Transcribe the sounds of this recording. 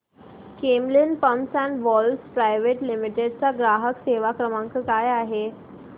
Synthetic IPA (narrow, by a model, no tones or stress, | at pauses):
kemlinpəmsɛ̃nʋɔlspɾajʋeʈlimiʈeɖ̚t͡saɡɾaɦəkseʋakɾəmaŋkəkajaɦe